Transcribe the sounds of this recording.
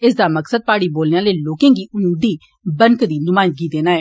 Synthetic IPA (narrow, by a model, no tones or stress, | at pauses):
ɪsd̪aːməksəd̪̚paːɽiːboːljãːleːloːkẽːɡiːʔʊmiːd̪iː | bənkd̪iːnʊmaːɪnd̪ɡiːd̪eːnaːɦɛː